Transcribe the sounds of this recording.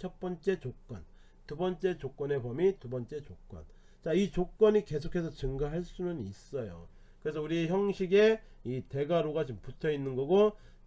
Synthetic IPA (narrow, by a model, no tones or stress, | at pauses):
t͡ɕʰʌp͈ʌnt͡ɕ͈e̞t͡ɕok͈wʌn | tubʌnt͡ɕ͈e̞t͡ɕok͈wʌne̞bʌmitubʌnt͡ɕ͈e̞t͡ɕok͈wʌ̰n | t͡ɕait͡ɕok͈ʌɲike̞sʰokʰe̞sʰʌt͡ɕɯŋɡaɦaɭs͈unɯnis͈ʌjo̰ | kɯɾe̞s̬ʰʌuɾiçjʌŋɕʰiɡe̞ | ite̞ɡaɾoɡat͡ɕomputʰʌinːɯnɡʌɡo